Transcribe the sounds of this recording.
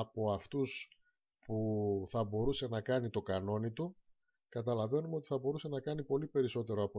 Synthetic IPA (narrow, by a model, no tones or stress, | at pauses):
ɐpo̞ɐft̪us | puθɐbo̞ɾuse̞nɐkɐnit̪o̞kɐno̞nit̪u | kɐt̪̬ɐlɐve̞numeot̪i̥θɐbo̞ɾuse̞nɐkɐnipo̞lipe̞ɾiso̞t̪e̞ɾo̞ɐpo